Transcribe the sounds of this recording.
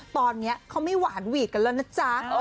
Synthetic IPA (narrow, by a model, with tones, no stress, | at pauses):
t̪ɔː˧nːi˦˥ɐkʰa˦˥wma˥˩jwaː˨˩˦nwiː˨˩k̚ka˧lɛ˦˥˩na˦˥t͡ɕa˦˧